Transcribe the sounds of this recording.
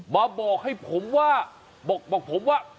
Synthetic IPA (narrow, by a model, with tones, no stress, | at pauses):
maː˧bɔː˨˩k̚ha˥˩jpʰo˩˦mwaː˥˩ | bɔː˨˩k̚bɔː˨˩k̚pʰo˨˦mwaː˥˩